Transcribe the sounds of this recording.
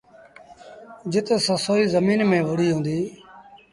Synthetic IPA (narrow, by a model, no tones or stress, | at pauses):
d͡ʒɪt̪səsoːiːzəmiːnmẽːʋʊɽiːɦũːnd̪iː